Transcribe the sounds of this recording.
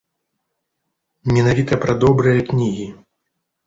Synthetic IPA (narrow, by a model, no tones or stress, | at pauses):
mʲɛnavʲit̪ɐpɾɐd̪ɔbɾɨjɐknʲiɣʲi